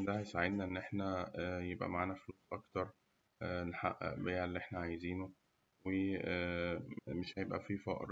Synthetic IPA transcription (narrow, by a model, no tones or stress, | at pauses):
d̪æhæjsaʕed̪næʔenːʔeħnæjebʔæ̰maʕaːnæfluːsˤʔɑkt̪ɑɾˤ | nħaʔbejʕælːiʔeħnæʕajziːno | we | meʃhæjebʔæ̰fifɑ̰ʔɾˤ